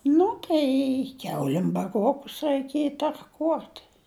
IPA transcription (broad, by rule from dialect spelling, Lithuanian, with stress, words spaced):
ˈnʊ tɐɪ ˈkʲɛʊlʲɪm bɐˈruɔkʊs rɐɪˈkʲiɛjɪ tɐrˈkuɔt